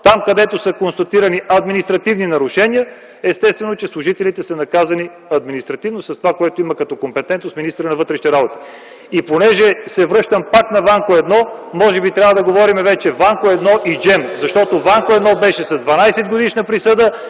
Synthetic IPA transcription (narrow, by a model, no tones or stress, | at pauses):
t̪amkɐd̪ɛt̪osəkonst̪ɐt̪iɾəniʔɐd̪minist̪ɾɐt̪ivninɐɾʊʃɛniə | ɛst̪ɛst̪vɛnot͡ʃɛslˠʊʒit̪ɛlit̪ɛsɐnɐkazɐni | ɐd̪minist̪ɾɐt̪ivnosɐst̪ovakoɛt̪oimɐkɐt̪ɔkompɛt̪ɛnt̪osminist̪ɾənɐvɤt̪ɾɛʃnit̪ɛɾabot̪i̥ | iponɛʒɛsɛvɾɤʃt̪əmpakt̪nɐvaŋkoɛd̪nɔmɔʒɛbit̪ɾʲavəd̪ɐɡovɔɾimɛvɛt͡ʃɛvaŋkoɛd̪nɔʔid͡ʒɛmzɐʃt̪ɔt̪ovaŋkoɛd̪nɔbɛʃɛsɐzd̪vɐnajsɛd̪ɡod̪iʃnəpɾisɤd̪ə